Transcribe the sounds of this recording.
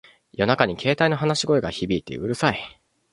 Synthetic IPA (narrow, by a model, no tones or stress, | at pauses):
jo̞nakaɲ̟ikʰe̞ːt̪aino̞ɦanaɕiɡo̞eɡaçibʲiːt̪ːe̞̰ɯ̟ɾɯ̟sai